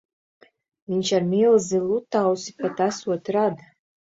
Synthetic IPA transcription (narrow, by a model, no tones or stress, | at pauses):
viɲt͡ʃaɾmilˠzilˠut̪ːawsipat̪asuɔt̪ɾad̪